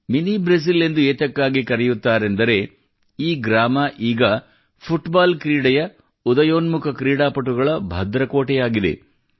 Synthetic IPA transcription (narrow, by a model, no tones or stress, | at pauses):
minibɾɐs̬ile̞nd̪ueːt̪ɐkːaːɡikɐɾɛjut̪ːaːɾe̞nd̪ɐɾe̞ | iːɡɾaːmɐʔiːɡɐ | pʰuʈbaːlkɾiːɽɐjɐ | ud̪ɐjoːnmukʰɐkɾiːɽaːpɐʈːuɡɐɭɐbʱɐd̪ɾɐko̞ːʈɛjaːɡid̪ḛ